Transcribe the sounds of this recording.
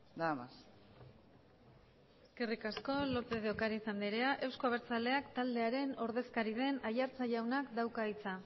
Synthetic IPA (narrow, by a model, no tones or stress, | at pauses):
d̪amas | eske̞rikasko̞lo̞t̪eðeokaɾaisand̪iɾe̞aʔe̞wsko̞aβ̞e̞ɾt͡sale̞akt̪ald̪e̞aɾe̞no̞ɾð̞e̞skaɾið̞e̞najaɾt͡saʝawnakd̪awkait͡sa